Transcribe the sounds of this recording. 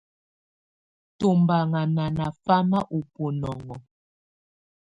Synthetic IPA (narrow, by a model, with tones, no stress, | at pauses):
to˨mba˨ŋa˨na˨na˨fa˦ma˦ʔu˨po˨nɔ˨ŋɔ˨